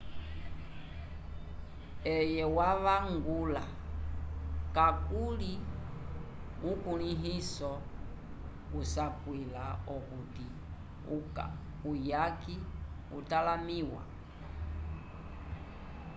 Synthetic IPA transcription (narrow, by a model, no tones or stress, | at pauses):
ɛjɛwaʋaŋɡula | kakuli | ukuniɦisɔ | kusapwilaɔkuti | uka̰ | ujaki | utalamiwa̰